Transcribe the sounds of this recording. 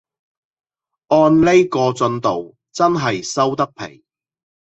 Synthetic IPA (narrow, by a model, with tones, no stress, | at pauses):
ʔɔː˧nle˥jkɔː˧t͡sɵ˧nt̪o˨w | t͡sɐ˥nɦɐ˨jsɐ˥wt̪ɐ˥k̚pʰḛ˨˩j